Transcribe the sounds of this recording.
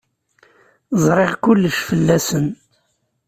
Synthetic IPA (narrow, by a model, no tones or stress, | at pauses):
zˤɾˤeʁkʊlːəʃfəlːæsən